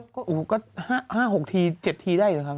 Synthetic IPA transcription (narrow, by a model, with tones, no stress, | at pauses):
kɔː˥˩ʔuː˨˩kɔː˥˩haː˥˩haː˥˩ho˨˩k̚t̪ʰiː˧t͡ɕe˨˩t̪̚ʰiː˧daː˥˩jlɤː˧˦kʰa˥˩